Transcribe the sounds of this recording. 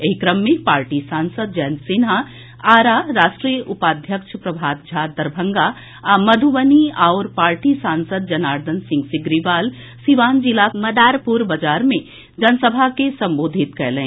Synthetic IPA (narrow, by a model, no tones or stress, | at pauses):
eɦikɾəmːẽpaːɾʈisaːnsəd̪̚d͡ʒɛːnsina | aːɾaːɾaːʃʈɾijəʔʊpaːd̪ʱjəkʃpɾɐbʱaːt̪̚d͡ʒʱaːd̪əɾbʱə̃ŋɡa | mɐd̪ʱuʋəniaːɾpaːɾʈisãːnsəd̪̚d͡ʒɐnaːɾd̪ʱənsɪ̃ŋɡsɪɡɾiʋaːl | siʋaːnd͡ʒilamɐd̪aːɾpuɾbəd͡ʒaːɾmẽ | d͡ʒɐnsəbʱakesɐ̃mboːd̪ʱit̪kɛɦlẽː